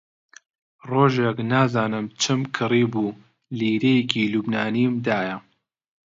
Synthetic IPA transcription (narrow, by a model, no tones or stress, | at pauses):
roːʒeknaːzaːnɨmt͡ʃʰɨmkʰɨriːbuː | liːɾejkʰiluːbnaːniːmd̪aːjɐ